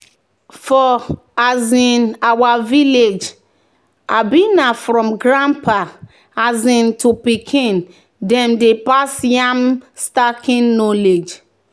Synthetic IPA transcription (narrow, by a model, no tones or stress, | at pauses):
fɔ | azĩnawaviled͡ʒ | a̰binafɾɔ̃mɡɹãmpa | azĩntupikʰĩn | dɛ̃mdepasjãmstakʰĩnːɔled͡ʒ